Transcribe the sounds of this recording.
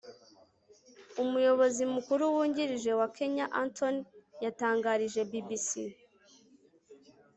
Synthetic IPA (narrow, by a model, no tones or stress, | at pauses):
umujo̞βo̞zimukuɾuwuːɲɟiɾiʒe̞wakʰe̞ɲaʔantʰo̞njataːŋɡaɾiʒe̞bibisi